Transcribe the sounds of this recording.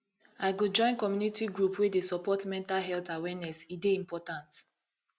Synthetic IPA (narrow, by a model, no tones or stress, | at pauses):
aɪɡod͡ʒɔ̃ɪ̃nkɔmjunitiɡɹupwedesɔpɔtmɛ̃ntalɦɛltawɛnɛsideĩmpɔtãnt